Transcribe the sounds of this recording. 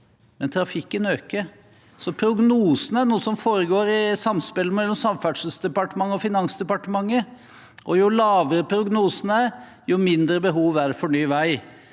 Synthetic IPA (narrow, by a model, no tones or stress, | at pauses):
mɛnt̪ʰɾɑfɪkːənøːkəɾ | sɔpʰɾʊɡnuːsənəæɳuːəsɔmfoːɾəɡoːɾɪsɑmspɪlːəmɛlːɔmsɑmfæɖʂəl̩sd̪ɛpɑʈəmɑŋːəɔfɪnɑnsd̪ɛpɑʈəmɑŋːə | ʔɔjʊlɑːʋəɾəpʰɾʊɡnuːsənæɾ | jʊmɪnd̪ɾəbəɦuːʋæɾfɔɳyːʋæɪ